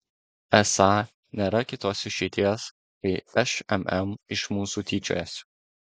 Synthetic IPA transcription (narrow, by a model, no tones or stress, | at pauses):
ɛsɑː | nʲeːɾɐkʲɪt̪oːsɪʃʲɛɪt̪ʲiɛs | kɐɪɛʃɛmɛmɪʃmuːsuːt̪ʲiːt͡ʃʲo̰ːjɛsʲ